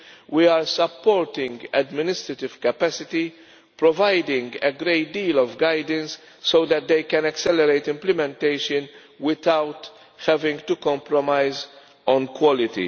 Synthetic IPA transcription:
wiaːɾsɐpːɔːɾt̪ɪ̃ŋɡɛd̪mɪnɪst̪ɾɐt̪ɪv̥kɐpɛsɪt̪i | pɾɔvajd̪ɪ̃ŋɡɛɡɾeɪt̪̚d̪iːlɔvɡajd̪ə̃nsː | oʊd̪ɛt̪̚d̪eɪkɛ̃nɛksɛlɛɾeɪt̪ɪ̃mplɪmɛ̃nt̪eɪʃə̃n | wɪt̪awt̪ | hɛvɪ̃ŋɡt̪ukɔ̃mpɾɔmajz | ɔ̃nkwɔlɪt̪ḭ

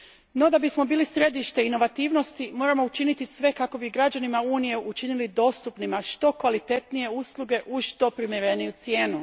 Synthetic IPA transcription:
no̞d̪abismo̞biːlisɾe̞d̪iʃt̪e̞ino̞ʋat̪iːʋno̞st̪imoɾamo̞ut͡ʃinit̪isʋe̞kako̞biɡɾad͡ʑanimauːnije̞ʔut͡ʃinilid̪o̞ːst̪upnimaʃt̪o̞kʋalit̪e̞t̪nije̞uslˠuɡe̞ʔuʃʃt̪o̞pɾimjeɾe̞nijut̪sje̞ːnu

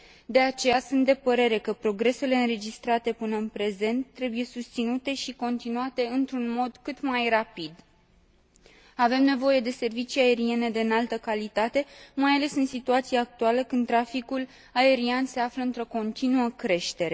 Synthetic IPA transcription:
d̪e̞at͡ʃe̞jasunt̪̚d̪e̞pəɾe̞ɾe̞kəpɾo̞ɡɾe̞se̞le̞ɨnɾe̞d͡ʒist̪ɾat̪e̞pɨnəɨnpɾe̞ze̞nt̪ːɾe̞buje̞sust̪sinut̪e̞ʃiko̞nt̪inuat̪e̞ɨnt̪ɾunmo̞d̪kɨt̪majrapid̪ | ave̞mne̞vo̞je̞d̪e̞se̞rvit͡ʃiae̞ɾie̞ne̞d̪eɨnalt̪əkalit̪at̪e̞majale̞sɨnsit̪uat̪siaaːk̚t̪ualəkɨnd̪t̪ːɾafikul | ae̞ɾianse̞afləɨnt̪ɾo̞ko̞nt̪inuəkɾe̞ʃt̪e̞ɾe̞

